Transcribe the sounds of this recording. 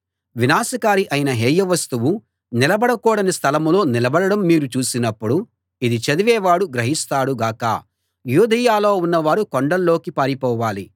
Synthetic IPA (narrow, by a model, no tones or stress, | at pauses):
ʋinaːsɐkaːɾiʔɐjinɐɦeːjɐʋɐst̪uʋu | nilɐbɐɽɐkɔːɽɐnist̪ʰɐlɐmulo̞ːnilɐbɐɽɐɽɐmːiːɾut͡ʃuːsinɐpːuɽu | id̪it͡ʃɐd̪iʋɛːʋaːɽuɡɾɐɦist̪aːɽuɡaːkɐ̰ | juːd̪ɐjaːlo̞ːunːɐʋaːɾukoɳɖɐlːo̞ːkipaːɾipɔːʋaːli